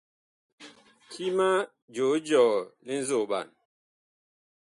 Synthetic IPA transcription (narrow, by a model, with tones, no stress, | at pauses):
ti˦ma˦ | d͡ʒo˨˦d͡ʒɔ˨li˦n̩˦zo˦˨ɓa̰˨n